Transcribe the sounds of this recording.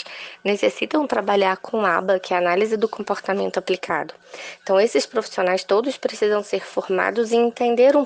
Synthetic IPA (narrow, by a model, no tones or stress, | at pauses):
nesesit̪ɐ̃w̃t̪ɾabaʎaɾkʰõabɐkʰɪaanalizɪd̪ʊkõmpoɾt̪amẽnt̪ʊaplikʰa̰d̪ʊ̃ | t̪ɐ̃w̃esɪspɾofi̥sionajst̪od̪ʊspɾesizɐ̃w̃seɾfoɾma̰d̪ʊzɪ̃ẽnt̪ẽnd̪eɾũ